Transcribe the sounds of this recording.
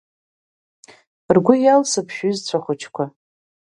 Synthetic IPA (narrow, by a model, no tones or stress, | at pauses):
rɡʷʊjalsɨpʰʃᶣʏzt͡ɕʷʰaχʷʊt͡ʃʰkʷʰa